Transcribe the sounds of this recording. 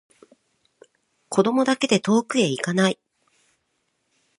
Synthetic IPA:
ko̞d̪o̞mo̞d̪ake̞d̪e̞t̪o̞ːkɯ̟e̞ikanai

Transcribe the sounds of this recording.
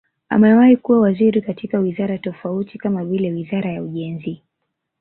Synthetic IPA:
a̰mɛwaikuwawaziɾikatikawizaɾatɔfautikamavilɛwizaɾajauʄɛnzi

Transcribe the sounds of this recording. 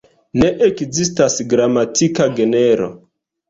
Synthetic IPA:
ne̞ʔekzistasɡɾamatikaɡe̞neɾo̞̰

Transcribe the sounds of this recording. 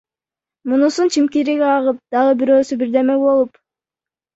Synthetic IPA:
munusunt͡ʃʰimkiɾiɡeɑʁɯp̚d̪̥ɑʁɯbiɾø̞ːsybiɾd̪e̞meɡbo̞lˠup

